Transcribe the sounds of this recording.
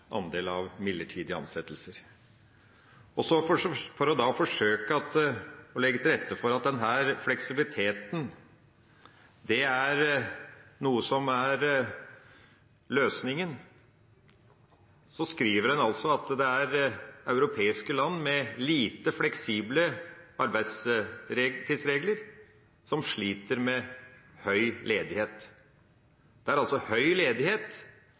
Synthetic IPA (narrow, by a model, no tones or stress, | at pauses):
ʔɑ̰nd̪eːlɑʋmɪlːəʈʰiːd̪ɪəɑ̰nsɛt̪ːəlsəɾ | ɔsɔfɔfɔɾɔd̪ɑfɔʂøːkəɑt̪ɔlɛɡːət̪ʰɪɾɛt̪ːəfɔɾɑt̪̚d̪ɛnɦæːɾflɛksɪbɪlɪt̪ʰeːt̪n̩ | d̪ɛæɾ | nuːəsɔmæɾ | løːsnɪŋən | sɔskɾiːʋəɾɛnɑlsɔɑt̪d̪ɛæɾɑʉɾʊpʰeːɪskəlɑnːmɛliːt̪əflɛksiːbləɑɾbæɪd̪sɾet̪ʰiːsɾeːɡləɾ | sɔmʂɭiːt̪əɾmɛhœʏleːd̪ɪheːt̪ | d̪̥ɛæɾɑlsɔhœʏleːd̪ɪheːt̪